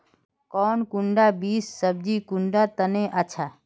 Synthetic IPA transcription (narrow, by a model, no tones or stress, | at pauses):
kɔːnkʊɳɖaːbiːsːəb̚d͡ʒikʊɳɖat̪əneʔat͡ʃʰaː